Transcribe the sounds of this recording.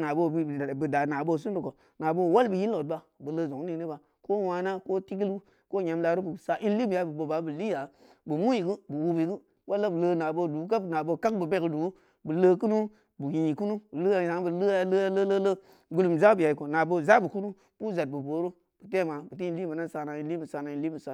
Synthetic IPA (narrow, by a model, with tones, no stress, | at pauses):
na˨bo˧˨bi˦˨bɨ˨da˨na˨bo˦˧˨s̬u˦du˨ko˨ | na˨bo˦˨wa˦lbɨ˨ji˦n˦lo˨t̚ba˨bɨ˨lə˧˨zo˨ŋ˦ni˦ni˦ba˨ | ko˦wa˧na˦ko˦ti˦ɡi˦lu˦ | ko˦ɲa˨˦mla˧˦ɾu˦bu˨sa˨ʔi˦n˦li˦bi˨ja˨˦bu˨bo˨ba˨˦bɨ˨li˦ja˨˦ | bɨ˨mu˦ji˨ɡɨ˦bu˨wu˧bi˨˦ɡɨ˦ | wa˦lːa˦bə˨lə˧na˨bo˧du˨˦ka˦˨na˨bo˧˨ka˦k̚bɨ˨be˦kdu˨˦ | bə˨lə˦k̬u˦nu˦ | bɨ˨ji˨i˨ku˦nu˦bu˨lɨ˦a˨za˨˦ŋ˦bu˨lɨ˦ja˨lə˦ja˦lə˦lə˦lə˦ | ɡu˦lu˨m˨za˦bi˨ja˨i˨ko˨na˨bo˧˨za˦bu˨ku˦nu˦ | b̥u˦za˨t̚bu˨bo˨˦ɾu˦ | b̥ɨ˨te˦ma˨bɨ˨t̬i˦i˦li˦ma˨na˦n˦sa˧na˨i˦nli˦bu˨sa˦na˨i˦n˦li˦bɨ˨sa˨